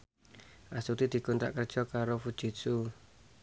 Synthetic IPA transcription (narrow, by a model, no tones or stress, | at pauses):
ʔasut̪id̪̥i̤kunt̪ɾa̰ʔkərd̥ʒ̥ɔkaɾofud̥ʒ̥i̤t̪su